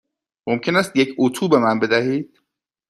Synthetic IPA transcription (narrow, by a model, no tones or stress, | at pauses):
momcʰe̞næst̪jecʰot̪ʰuːbe̞mænbe̞d̪æɦiːd̪̥